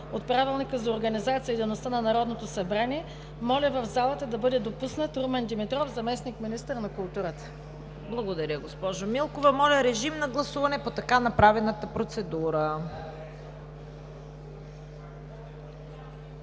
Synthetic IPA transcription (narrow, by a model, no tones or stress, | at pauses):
ot̪̚pɾavilˠnikəzɐoɾɡɐnizat̪sijəid̪ɛlnost̪anɐnɐɾɔd̪not̪osɐbɾaniɛ | mɔlʲəvɐvzalˠət̪əd̪ɐbɤd̪ɛd̪opusnət̪ɾumɛnd̪imit̪ɾɔfzɐmɛsnikminist̪əɾnɐkʊlˠt̪uɾət̪ə̥ | blˠɐɡod̪ɐɾʲəɡospɔʒomilˠkovɐmɔlʲɐɾɛʒimnɐɡlˠɐsuvɐnɛpot̪ɐkanɐpɾavɛnət̪əpɾot̪sɛd̪uɾə